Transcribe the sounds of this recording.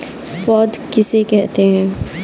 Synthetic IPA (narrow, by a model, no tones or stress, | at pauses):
fɔːd̪kɪsekɛɦt̪eɦɛ̃ː